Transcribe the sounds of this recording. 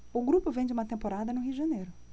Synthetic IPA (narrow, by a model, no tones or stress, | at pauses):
ʊɡɾupʊvẽj̃d͡ʒɪũmɐt̪ẽmpoɾad̪ɐnʊɦiuʊd͡ʒɪʒɐnejɾʊ